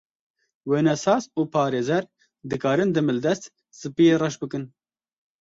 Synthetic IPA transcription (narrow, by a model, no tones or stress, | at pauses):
weːnɛsɑːsuːpʰɑːɾeːzɛɾ | d̪ɨkɑːɾɨnd̪ɨmɨld̪ɛst̪ | sɨpijeːrɛʃbɨkɨn